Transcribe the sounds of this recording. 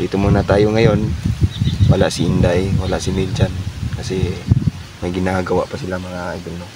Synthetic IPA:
d̪it̪ʊmonat̪aːjoŋajon | walaʔsiind̪ajwalaʔsimild͡ʒankasɛ | majɡɪnaɡawa̰ʔpasilamaɾaʔijd̪ɪlno

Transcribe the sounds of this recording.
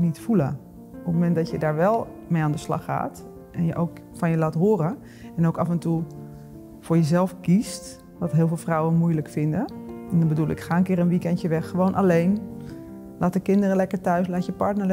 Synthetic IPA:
nitfulə̰ | opmomɛndɔtjədaːɹʋɛlˠ | mejaːndəslɑ̰xa̰ːt | ʔɛnjəʔowk | fɑnjəlaːtɦoːrə | ɛnowkafɛntu | fʊːɹjəzɛlˠfkist | dɔtɦɪːlˠvɪːlˠfrɔwənmujləkfɪndəɛndɔnbədulˠɪ̰kχaːənkɪːɾənʋikɛntjəʋɛxːəʋownʔalejn | laːtəkɪndərəlɛkəɹtœɥslaːtjəpɑɹtnəɹl

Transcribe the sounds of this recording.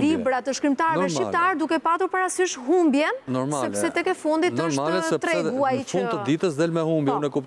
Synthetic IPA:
libɾat̪əʃkɾimt̪aɾnɛʃipt̪aɾd̪ukɛpat̪uɾpaɾasiʃɦumbjɛnnɔɾmasɛpsɛt̪ɛkɛfund̪itnəʃtalsɛt̪ɾɛɡuajifund̪t̪əd̪it̪əsd̪ɛlmɛhumbjɛnɛkup

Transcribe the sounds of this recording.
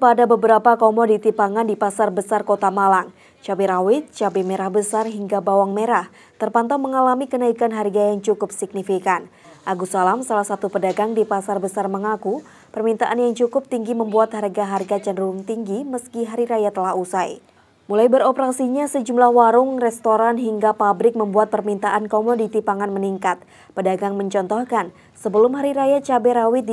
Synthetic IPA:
padabəbəɾapakomodit̪ipaŋandipasarbəsarkot̪amalaŋ | t͡ʃabiɾawɪt̪̚t͡ʃabimeɾahbəsarɦiŋɡabawaŋmeɾah | t̪ərpant̪awməŋalamikənaikanɦarɡajaŋt͡ʃukʊp̚sik̚nifikan | ʔaɡusalamsalahsat̪upədaɡaŋdipasarbəsarməŋaku | pərmint̪aʔanjaŋt͡ʃukʊp̚t̪iŋɡiməmbuat̪harɡaɦarɡat͡ʃandəɾuŋt̪iŋɡiməskiɦaɾiɾajat̪əlahusaj | mulajbəɾɔpəɾasiɲasəd͡ʒumlahwaɾʊŋrɛst̪oɾanɦiŋɡapabɾɪk̚məmbuat̪̚pərmint̪aʔankomodit̪ipaŋanməniŋkat̪̚ | pədaɡaŋməɲt͡ʃɔnt̪ɔhkan | səbəlʊmɦaɾiɾajat͡ʃabɛɾawɪt̪̚

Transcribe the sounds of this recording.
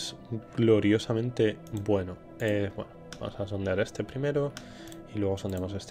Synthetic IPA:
s | ɡlo̞ɾjo̞samẽnt̪e̞bwe̞no | ebwḛnoba̰mosasond̪eaɾe̞st̪e̞pɾime̞ɾo | ilweɣ̞osond̪eamo̞se̞st̪

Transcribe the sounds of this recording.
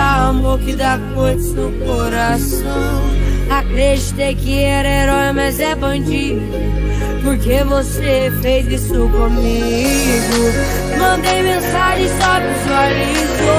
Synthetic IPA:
aamoɾkɪd̪akoɾsewkoɾas | ɐ̃w̃akɾed͡ʒit̪ekɪɛɾɐeɾɔjmazɛbɐ̃d͡ʒit̪ | poɾkevosefejzisʊkõmi | ɡʊ | mɐ̃nd̪ejmẽsaʒẽj̃sɔpʊ̃suali | zʊ

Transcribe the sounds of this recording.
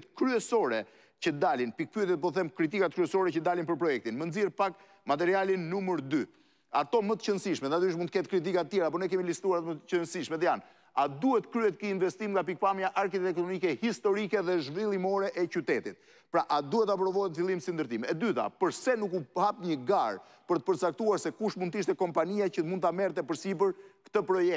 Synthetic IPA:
t̪kɾyɛsɔɾɛ | cəd̪alinpik̚pyɛt̪ɛt̪̚p̬ɔθɛmkɾit̪̬ikat̪̚kɾyɛsɔɾɛt͡ɕəd̪alinpəɾpɾɔjɛk̚t̪inmənziɛɾpak̚ | mat̪ɛɾialinːuməɾd̪y | at̪ɔmət̪ə̥cənsiʃmɛat̪yʃ̬munt̪əkɛt̪kɾit̪̬ikat̪ət̪jɛɾap̬ɔnɛkɛmilist̪uaɾat̪ɔmət̪əcənsiʃmɛt̪jan | ad̪uɛt̪ə̥kɾyɛt̪kiinvɛst̪imŋɡap̬ik̚pamjaʔaɾkit̪ɛkt̪ɔɔmikɛhist̪ɔɾikɛðɛʒvilˠimɔɾɛʔɛt͡ɕyt̪ɛt̪it̪̚ | pɾaʔad̪uɛt̪ap̬ɾɔvɔɛt̪nfilˠimsind̪əɾt̪imɛd̪yt̪a̰pəɾsɛnukuhapɲəɡaɾ | pəɾt̪ə̥pəɾt͡sak̚t̪uaɾsɛkuʃtmund̪t̪iʃt̪ɛkɔmpaniacəmund̪t̪amɛɾt̪ɛpəɾsipəɾkə̥t̪əpɾɔjɛk̚

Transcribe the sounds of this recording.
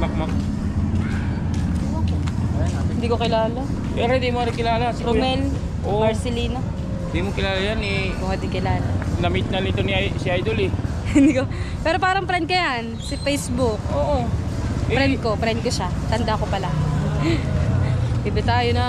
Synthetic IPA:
mɐk̚mɐk̚ | o | hɪnd̪iːkokɪlaːla | pɛːɾohɪnd̪imoaɾɪkɪlaːlasɾomɛl | ʔomɹsɛliːno | ɪnd̪imokɪlaːlɐjanɛkokɐd̪ɪkɪlaːlanɐmit̪̚nɐnit̪oniʔasɪʔajd̪olɛ | hɪnd̪ikopɛːɾo̞paːɾɐŋpɾɛnd̪kɐjansɪfɛjsbʊk̚ʔoːʔo | pɾɛnd̪̚ko̞pɾɛnd̪̚koʃat̪ɐnd̪akopɐla | ɪbɛt̪aːjonɐ

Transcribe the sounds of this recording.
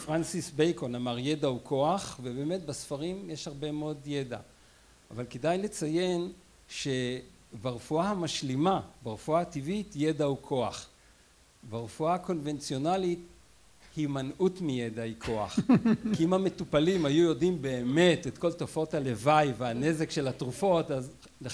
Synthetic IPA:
fʁansisbejkonamaʁje̞daukʰo̞aχvebeːme̞tbasfaʁimjeʃhaʁbe̞meo̞djeda̰ː | valkedajle̞t͡saje̞n | ʃe̞ | baʁefuahamaʃlimabaʁefuaativitje̞daukʰo̞aχ | baʁefuako̞nve̞nt͡sio̞nalit | himanʔutmijedaikʰoa̰χkiimame̞tupalimhajujo̞dimbe̞ːme̞tetko̞ltofo̞thalevajveaneze̞kʃe̞latʁufo̞taz | le

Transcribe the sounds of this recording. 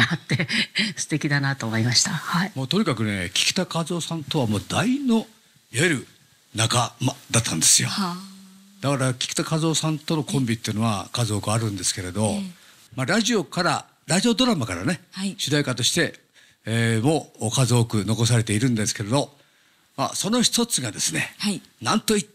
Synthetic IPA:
at̪ːesɨ̥t̪e̞kʲid̪anat̪oːmo̞imaɕi̥t̪ahaimo̞ːt̪o̞ɲ̟ikakɯ̟ne̞kʲi̥kʲi̥t̪akazo̞ːsãnt̪o̞βamo̞ːd̪aino̞ | ieɾɯ̟ | nakamad̪at̪ːãnd̪e̞sɨjo̞̰ | d̪̥akaɾakʲi̥kʲi̥t̪akazo̞ːsãnt̪o̞no̞kʰõ̞mbʲit̪ːeiɯ̟no̞βa̰kazo̞ːkɯ̟aɾɯ̟̃nd̪e̞sɨ̥ke̞ɾe̞d̪o̞ | maɾaʑio̞kaɾa̰ | ɾaʑio̞d̪o̞ɾamakaɾane̞hiɕɨd̪aikat̪o̞ɕi̥t̪e̞ | mo̞ːkazɨokɯ̟no̞ko̞s̬aɾe̞t̪e̞iɾɯ̟̃nd̪e̞sɨ̥ke̞ɾe̞d̪o̞ | ma̰so̞no̞çi̥t̪o̞t͡sɨɡad̪e̞sɨne̞̰ | nãnt̪oi

